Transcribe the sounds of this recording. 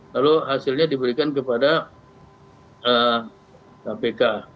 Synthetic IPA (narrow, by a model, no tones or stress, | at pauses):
laloɦasɪlɲadibəɾikankəpada | ə | kapeka